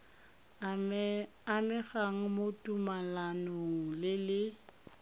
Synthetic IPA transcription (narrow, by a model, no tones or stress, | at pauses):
amɪɣaŋ̩motʼumalanɔlɪlɪ